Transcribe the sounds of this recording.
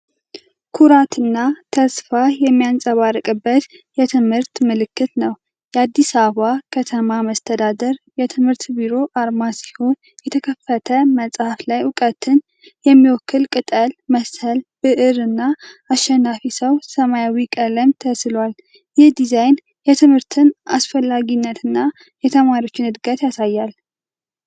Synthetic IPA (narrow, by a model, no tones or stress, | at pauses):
kʰuɾat̪ɨnːat̪ʰəsfajɛmːijansʼəβarɨkʼɨbːət̪jɛt̪ʰɨmhɨɾt̪mɨlɨkːɨt̪nəw | jɛad̪ːisaββakʰət̪ʰəmaməst̪ʰəd̪ad̪əɾjɛt̪ʰɨmhɨɾt̪biɾo̞ʔaɾmasi̥ho̞n | jɛt̪ʰəkʰəfːət̪ʰəməsʼhaflajʊkʼət̪ʰɨn | jɛmːiwɔkʰːɨlkʼɨt̪ʼəlməsəlbɨʔɨɾɨnːaː | ʃːɛnːafisəwsəmajawikʼələmt̪ʰəslwal | jɪhd̪izajn | jɛt̪ʰɨmhɨɾt̪ʰɨnasfəlːaɡinːət̪ɨnːa | jɛt̪ʰəmaɾio̞t͡ʃːɪnɨd̪ɡət̪jasajːal